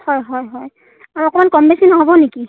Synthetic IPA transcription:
hɔjɦɔjɦɔj | aɹɔkɔmankɔmbesinɔɦobɔneki

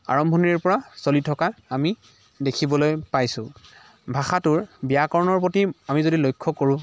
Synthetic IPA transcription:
a̰ɹɔmbʱɔniɹpɔɹasolitʰɔkaami | dekʰibɔlojpajsʊ̃ | bʱaxatʊɹbijakɔɹnɔɹpotiamizodilojkʰːɔkoɹũ

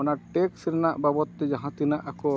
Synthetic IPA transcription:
ɔnaʈeksɾɛnaʔbabɔt̪ːɛd͡ʒãɦãt̪inaʔakɔ

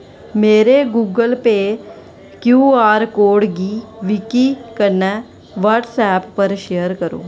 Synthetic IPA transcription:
meːɾeɡuːɡəlpe | kjuːaːɾkoːɽɡiːʋikikənə | ʋaʈsɛːpːəɾʃejəɾkəɾo̰ː

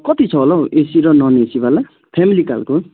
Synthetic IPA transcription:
kʌt̪it͡sʰʌolʌesiɾʌnʌnesibala | pʰemilika̰lko

